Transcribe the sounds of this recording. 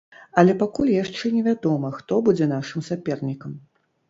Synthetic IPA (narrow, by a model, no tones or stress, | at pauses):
ɐlʲɛpakulʲjaʂt͡ʂɛnʲɛvʲad̪ɔmɐxt̪ɔbud͡zʲɛn̪aʂɨmsapʲɛrnʲikɐm